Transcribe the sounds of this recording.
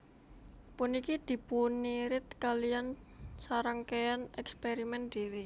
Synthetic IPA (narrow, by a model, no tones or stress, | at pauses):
punikid̪̥i̤puniɾɪt̪̚kalijansaɾəŋkeanɛkspeɾimɛnd̪̥e̤we